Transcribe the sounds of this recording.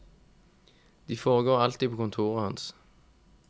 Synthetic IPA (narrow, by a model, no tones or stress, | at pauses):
d̪̥iːfoːʁəɡoːʁɑlt̪iːpʰoːkʊnt̪ʰuːʁəhɑns